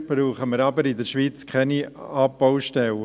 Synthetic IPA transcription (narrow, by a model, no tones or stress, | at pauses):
b̥ɾuːχəməɾɑbəɾɪd̪əɾʃʋiːt͡skʰχɛniɑpːɔʊʃtɛlə